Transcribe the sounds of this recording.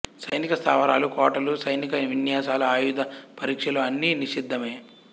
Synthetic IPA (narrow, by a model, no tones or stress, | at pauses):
sɐjnikɐst̪ʰa̰ːʋɐɾaːlukɔːʈɐlusɐjnikɐʋinjaːsaːlɐaːjud̪ʱɐpɐɾiːkʂɐluɐnːiniʂid̪ʱːɐmeː